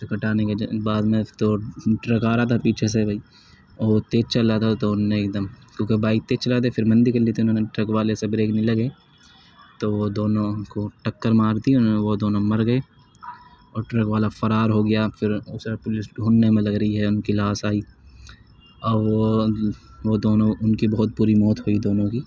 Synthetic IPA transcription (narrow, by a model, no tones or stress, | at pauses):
sekɐʈaːnekebaːd̪mẽt̪oʈɾɐkaːɾat̪ʰapiːt͡ʃʰes̬ebʱɐiː | oːt̪eːt͡ʃɐlat̪ʰat̪oʊnːeeːk̚d̪əmkjõːkebaːɪk̚t̪eːt͡ʃɐlat̪̬efɪɾmɐ̃nd̪ikɐɾlit̪ʰiʊnɦõːneʈɾɐkʋaːlesebɾeːknilɐɡeː | t̪oʋod̪oːnõnkoʈɐkːəɾmaːɾd̪iʊnɦoneʋod̪oːnõmɐɾɡɐe | ɔːɾʈɾɐkʋaːlafɐɾaːɾɦoɡɐjafɪɾʊsepʊlɪsɡʱuːnːemẽlɐɡɾɐɦiɦɛʊnkilaːsaːiː | ɔ | ʋod̪oːnõʊnkibɐɦʊt̪̚puːɾimɔːt̪ɦoid̪oːnõkiː